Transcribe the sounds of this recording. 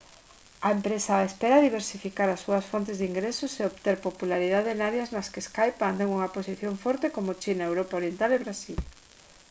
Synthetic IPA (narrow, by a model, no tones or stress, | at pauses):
ɐempɾesaespeɾɐðiβ̞eɾsifikaɾɐsːuɐsfont̪ezðiŋɡɾesʊseoβt̪eɾpopulaɾiðaðeenaɾjaznɐskeskajpand̪eŋuŋɐposiθjoɱfɔɾt̪ekomʊt͡ʃinaewɾopaoɾjent̪aleβɾasil